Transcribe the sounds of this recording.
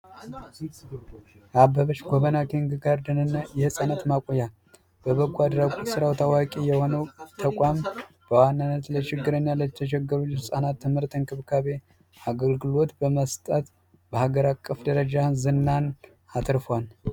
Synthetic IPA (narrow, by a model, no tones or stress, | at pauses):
ʔabəβət͡ʃɡʷoβənakʰiŋɡɨɡaɾd̪ənɨnːajɛhɨsʼanət̪makʷʼoja | b̥əβəɡʷad̪ɾakʼut̪sɨɾawt̪ʰawakʼijɛho̞nəwt̪ʰəkʷʼam | b̥əwanːanːət̪laʃɪɡːɨɾəɲːaləɛt̪ʰəʃ̬ɛɡːəɾut͡ʃːɛhɨsʼanat̪ʰːɨmhɨɾt̪ɨnkʰɨβkʰaβe̞ | aɡəlɡɨlo̞t̪bəməst̪ʼət̪ | bəhaɡəɾakʼːəfd̪əɾəd͡ʒazɨnːan | at̪ʰɾfwal